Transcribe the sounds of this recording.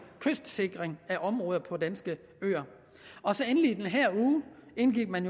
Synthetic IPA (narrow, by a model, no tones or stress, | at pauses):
kʰøsd̥se̝ɡ̥ʁeŋæʔɒ̽mʁɔ̽ːð̞ˠɐpʰɒ̽d̥ænsɡ̥ə | ø̰ːɐ | ɒ̽sɒ̽enəliːd̥enɦæɐ̰uːe̝nɡ̥iɡ̥̚mænjo